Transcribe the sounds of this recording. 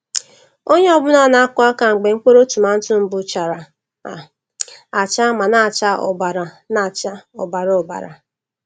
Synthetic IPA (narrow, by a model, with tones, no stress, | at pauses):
o˦ɲe˦ɔ˦bʊ˦na˦˨na˦a˦kʷʊ˦a˦ka˨ŋ͡m̩˨ɡ͡be˨ŋ̩˦kʷo˦ɾo˦tu˨ma˨n̩˦tʊ˦m̩˦bʊ˨˦t͡ʃa˨ɾa˨ | a̰˨ | a˨t͡ʃa˦ma˨na˦˨t͡ʃa˦ɔ̰˨ba˨ɾa˨ | na˨t͡ʃa˦ɔ̰˨ba˨ɾɔ˨ba̰˨ɾa̰˨